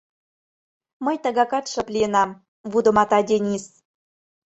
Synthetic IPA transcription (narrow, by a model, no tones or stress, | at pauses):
məjt̪əɣɑkɑt̪ʃɤ̆plʲienɑm | βud̪ə̆mɑt̪ɑdʲenʲis